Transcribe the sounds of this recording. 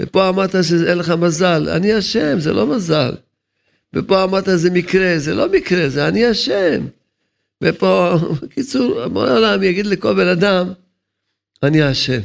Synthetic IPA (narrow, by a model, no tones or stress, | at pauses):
vḛpo̞amaʁt̪aʃ̬eenleχamazala̰niaʃemzḛlo̞maza̰l | vḛpo̞amaʁt̪azemikʁezelo̞mikʁezeaniaʃem | vepo̞kit͡suʁbo̰olamjaɡid̪leko̞lbe̞nad̪am | aniaʃe̞m